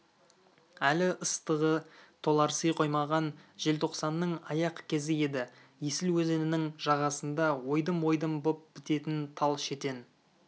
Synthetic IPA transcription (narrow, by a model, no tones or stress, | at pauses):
ælɪʔəst̪əʁət̪ʰo̞lˠɑɾsəjqʰo̞jmɑʁɑnʒe̞lt̪ʰo̞qsɑnːəɴɑjɑqkʲʰe̞zɪe̞d̪ɪ | jesɪlwɵze̞nɪnɪŋʒ̥ɑʁɑsənd̪ɑwo̞jd̪əmwo̞jd̪əmbop̚b̥ɪt̪e̞t̪ɪnt̪ʰɑlˠʃe̞t̪e̞n